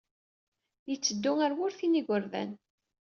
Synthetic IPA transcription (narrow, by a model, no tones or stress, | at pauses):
jət͡sːəd̪ːʊŋəɾwʊɾθiniɡʷəɾðæ̰n